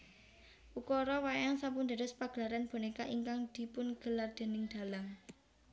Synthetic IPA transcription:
ʔukɔɾɔwajaŋsapund̪ə̤ɾʊspaɡ̥ə̤laɾanb̥o̤nekaʔiŋkaŋd̪̥i̤pʊnɡ̥ə̤lard̪̥e̤nɪŋd̪̥a̤laŋ

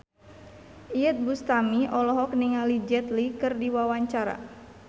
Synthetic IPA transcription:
ʔijɛt̪̚bust̪amiʔɔlɔɦɔk̚niŋalid͡ʒɛt̪likɨrdiwawaɲt͡ʃaɾa̰

